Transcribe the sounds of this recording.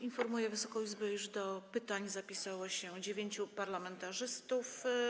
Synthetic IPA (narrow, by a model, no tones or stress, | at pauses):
infɔɾmujɛvɘsɔkɔid͡ʑzbɛuʐd̪ɔpɘt̪aɲzapʲisawɔɕɛd͡ʑevʲjeɲt͡ɕupaɾlamɛnt̪aʐɘst̪uf